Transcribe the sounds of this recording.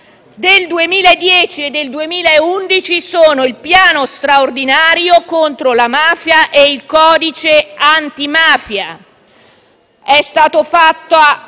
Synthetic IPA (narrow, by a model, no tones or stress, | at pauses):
d̪eld̪uemiːlaed̪ːjɛːt͡ʃied̪ːeld̪uemiːlaeund̪it͡ʃisoːnoilpjaːnost̪ɾaord̪inaːɾjokont̪ɾolamaːfjaʔeilkɔːd̪it͡ʃeant̪imaːfja | ɛst̪aːt̪ofat̪ːoa